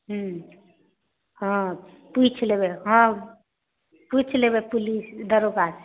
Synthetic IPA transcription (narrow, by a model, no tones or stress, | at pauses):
ɦu | ɦə̃ | put͡ʃʰlebeɦə̃ | put͡ʃʰleβepulisd̪əɾoɡas